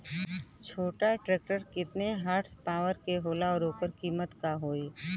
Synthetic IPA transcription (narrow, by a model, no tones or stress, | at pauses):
t͡ʃʰoːʈaʈɾeːk̚ʈəɾkɪt̪neɦaɾʈspaːʋəɾkeɦoːlaɔːɾoːkəɾkiːmət̪kaɦoːeː